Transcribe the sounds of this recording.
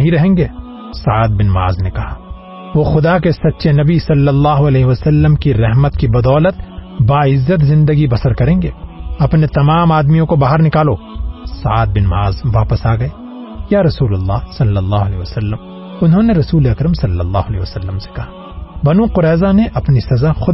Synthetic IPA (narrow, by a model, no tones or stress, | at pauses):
ɐɦĩɾɐɦẽːŋɡeː | sɐaːd̪̚bɪnma̰ːznekɐhaː | ʋoːxʊd̪akesɐtːʃenɐbisɐlːɐəlːaːɦoɐlɛːɦeʋɐsɐlːəmkiɾɛɦmət̪kibɐd̪ɔːlət̪̚baːɪzːət̪zɪ̃nd̪əɡibɐsəɾkɐɾẽːŋɡeːɐpnet̪ɐmaːmaːd̪mijõkobaːɦəɾnɪkaːloːsɐ̰a̰ːd̪̚bɪnma̰ːzʋaːpəsaːɡɐeː | jaːɾɐsuːlɐlːaːsɐlːɐlːaːɦʊɐlɛːʋɐsɐlːəm | ʊnɦõneɾɐsuːleɐkɾəmsɐlːɐlːa̰ːɦʊɐlɛ̰ːʋɐsɐlːəmse̥kɐɦḁ | bɐnũqʊɾɛːzaneʔɐpnisɐzaxʊ